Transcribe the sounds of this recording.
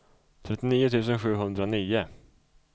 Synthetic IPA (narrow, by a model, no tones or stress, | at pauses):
t̪ʰɾɛt̪ːɪniːʊt̪ʰʉːs̬ənɧʉ̟ːɦɵnd̪ɾaniːʊ